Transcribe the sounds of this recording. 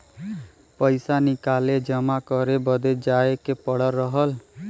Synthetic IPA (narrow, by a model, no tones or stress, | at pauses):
pəjsanikaled͡ʒəmakɔɾebʌd̪ed͡ʒaekepɔɽəɾːɔɦəl